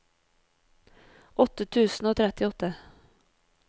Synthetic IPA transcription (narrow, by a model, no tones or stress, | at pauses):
ʔɔt̪ːət̪ʰʉːsn̩oːt̪ʰɾɛt̪ːɪɔt̪ːə